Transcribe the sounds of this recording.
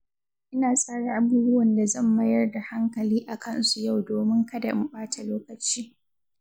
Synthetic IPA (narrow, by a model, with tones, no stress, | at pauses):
ʔɪ˦naː˨sʼaː˦ɽa˨ʔa˨buː˦bʊ˦wɐ˨nda˨zɐ˦˨mbɐ˦jɐ˦rda˨ha˦ŋkɐ˨liː˦ʔa˨kɐ˦˨nsu˨ja˦˨wdoː˨mɪ˦ŋkɐ˦da̰˨ʔɪ˨˦ɓaː˦ta˨loː˦kɐ˨t͡ʃiː˦